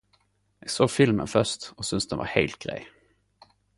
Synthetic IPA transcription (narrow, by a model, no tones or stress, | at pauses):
jaɡ̥soːɡfɪlmə̰nfœʂtɔsʏnsd̪ɛnva̰ɾhḛlt̪̚ɡ̥ɾɛ̰j